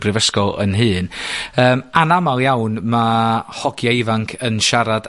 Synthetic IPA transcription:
b̥rɪvəskɔlˠə̰nɦɨːnəːmanamalˠjawnmahɔɡjaɪvaŋkʰənʃaɾad̥

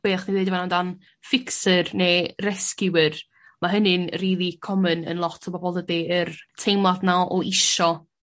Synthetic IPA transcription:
eːχniwvedivanandan | fɪksərneːrɛskɪwər | maɦənɨnriːlˠikʰɔmənə̰nlˠɔtʰɔbɔbɔlˠədiərtʰejmadnaɔʔɪʃɔ

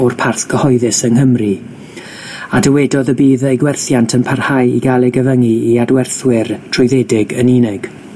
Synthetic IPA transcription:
ɔrpʰarθɡ̥əhɔɨðɨsənɦəmri | adəwɛdɔðəbiːðejɡwɛrθjantʰənpʰarhajiɡalˠɛɡəvəŋiiadwɛrθwɪrtʰrʊɨðɛdɪɡəniːnɪɡ̥

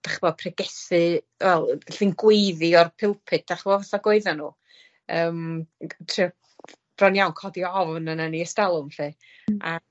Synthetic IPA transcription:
d̥aχvɔpʰrɛɡɛθɨ | wɛlˠɬinɡwejðiɔrpʰɪlˠpʰɨt̚d̥aχvɔvaθɔɡwoɨðanuː | əːmtʰrɪa | b̥rɔnjawnkʰɔdiɔvnənaniəstalˠʊmɬi | a

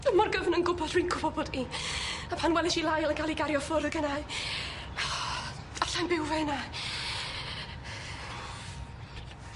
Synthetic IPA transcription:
əmɔrɡəvnənɡʊbɔd̥rijnkʰʊbɔbɔdiapʰanwɛlˠɪʃilˠajlˠəɡalˠiɡaɾjɔfʊrðɡənaɨ | aɬajnbɪwvɛna

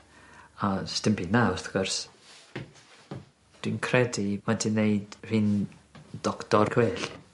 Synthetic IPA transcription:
astɪmpʰinaʊθɡ̥ʊrs | d̥winkʰrɛdimadɪneɨdr̥ɨːnd̥ɔktɔrkʰweːɬ

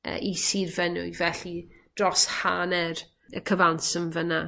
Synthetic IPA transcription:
ə̰ʔisirvɛnʊ̰jvɛɬi | d̥rɔshanɛr | ə̰kʰəvansəmvəna

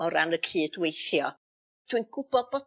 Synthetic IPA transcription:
ɔɾanəkʰiːdwejθjɔ | tʰwinɡ̥ʊb̥ɔb̥ɔ

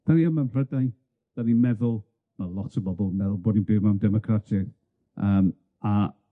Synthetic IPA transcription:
d̥aniamanrrədaj | d̥aninmɛðʊlˠ | malˠɔtʰəbɔbɔlˠmɛðʊlˠboːdninbɪːvmamdɛmɔkʰratʰɪ | əːm | a

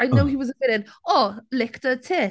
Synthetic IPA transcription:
aɪnowhiwɒzəvɪɾɪ̃nɔlɪktətʰɪ

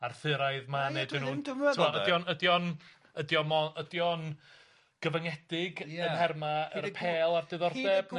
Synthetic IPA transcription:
arθɨɾaɨðmanedɪnuːntʰumɔədjɔnədjɔn | ədjɔmɔədjɔn | ɡ̥əvəŋɛdɪɡənhɛrmaərpʰeːlˠardɨðɔrdɛb̥n

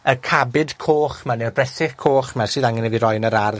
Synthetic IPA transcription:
əkʰabɪdkʰoːχmanɛrbrɛsɪχkʰoːχmasɨːðaŋɪnɛviɾɔjnəɾarð

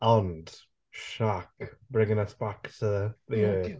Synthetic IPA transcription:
ə̃nd̥ | ʃakb̥ɹɪ̃ŋɪ̃ŋəsb̥aktʰəðəjɪː

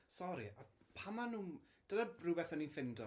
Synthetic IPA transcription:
sɔɾḭapʰamanuː | d̥ənarɨbɛθɔninfɪndɔ

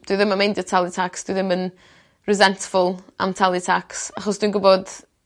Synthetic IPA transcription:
d̥wiðɪmənmejndjətʰalˠɪtʰaksd̥wiðɪmən | rɪzɛntfʊlˠa̰mtʰalˠitʰaksaχɔsd̥winɡʊbɔd̥

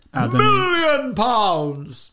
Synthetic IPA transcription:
ammɪljə̃npʰãʊ̃nz̥

